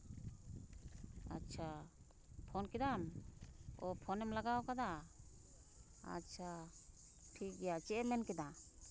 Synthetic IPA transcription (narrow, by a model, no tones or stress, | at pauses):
a̰t͡ʃʰa | pʰɔnkɛd̪am | ɔpʰɔnɛmlaɡaɔkad̪a | a̰t͡ʃʰa | ʈʰik̚ɡɛjat͡ʃɛʔɛmɛnkɛd̪a